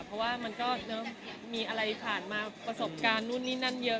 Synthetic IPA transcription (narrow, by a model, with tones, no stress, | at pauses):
pʰɔ˦˥waː˥˩ma˧nkɔː˥˩nɤ˦˥miː˧ʔa˧ɾa˧jpʰaː˨˩nmaː˧pɾa˧so˨˩˦p̚kaː˧nːu˥˩nːiː˦˥na˥˩njɤ˦˥